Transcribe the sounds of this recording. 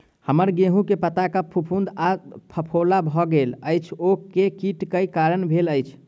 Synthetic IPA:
həməɾɡeɦũkepət̪akəpʰupʰũnd̪apʰəpʰolabʱɔɡeləjt͡ʃʰokekiʈkəjkaɾənbʱeləjt͡ʃʰ

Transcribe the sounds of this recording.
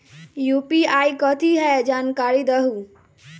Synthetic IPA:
jupiaikɔt̪ʰiɦɛd͡ʒaːnkaːɾid̪əɦu

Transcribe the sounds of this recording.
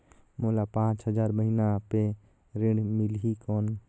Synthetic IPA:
molapãːt͡ʃɦəd͡ʒaːɾbəɦinape | ɾɪ̃ɖmɪlɦikɔːn

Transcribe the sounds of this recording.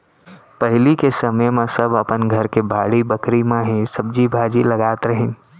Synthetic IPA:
pəɦɪlikesəməjmẽsəbəpənɡʱəɾkebʱaːɽibəkɾimeɦisəb̚d͡ʒibʱaːd͡ʒiləɡaːt̪ɾəɦĩ

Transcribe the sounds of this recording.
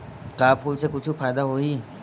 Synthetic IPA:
ʈaːpʰuːlsekʊt͡ʃʰufʰaːɪd̪aɦoɦi

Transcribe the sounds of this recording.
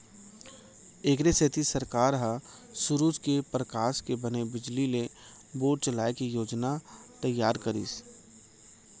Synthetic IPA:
eːkɾeset̪ʰisəɾkaːɾɦa | sʊɾuːd͡ʒkepɾəkaːʃkebənebɪd͡ʒlile | boːʈ̚t͡ʃəlaːekijoːd͡ʒnat̪əjːaːɾkəɾḭːs

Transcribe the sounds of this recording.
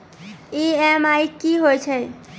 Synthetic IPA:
eɛmajkiɦoet͡ɕʰe

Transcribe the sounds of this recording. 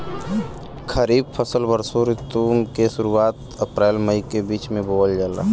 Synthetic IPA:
kʰəɾiːbpʰəsəlbəɾsoɾɪt̪uːmkeʃʊɾuaːt̪ | əpɾɛːlməikebiːt͡ʃmẽboːəld͡ʒəla̰ː

